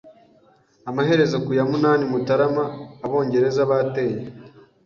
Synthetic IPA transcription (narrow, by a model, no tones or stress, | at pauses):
amaɦe̞ɾe̞zakujamunaːnimutaɾamaːβo̞ːɲɟe̞ɾe̞zaβaːte̞ːje